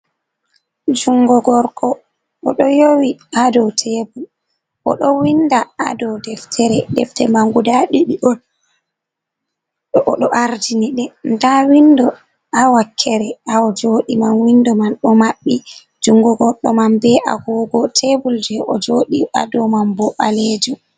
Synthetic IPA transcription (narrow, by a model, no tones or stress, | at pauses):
d͡ʒuŋɡɔɡɔɾɗɔː | ɗɔjowiadɔtʰebul | ʔɔ̰ɗɔwindaa̰dɔwdɛftʰɛɾɛdɛ̰ftɛmaŋɡudaɗiɗiɗɔn | ɗɔʔɔɗɔʔaɾd͡ʒiniɗɛndawindɔ | awakʰːɛɾɛaɔd͡ʒoɗimanwindɔmanɗɔmaɓːi | d͡ʒuŋɡɔɡɔɾɗɔmambɛʔa̰ɡɔːɡɔtʰebuld͡ʒɛʔɔd͡ʒoːɗia̰dɔmambɔʔaled͡ʒu